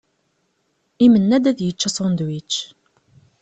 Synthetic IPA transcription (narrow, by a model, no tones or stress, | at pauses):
imənːæd̪æðjət͡ʃːæsˤɔnd̪wit͡ʃː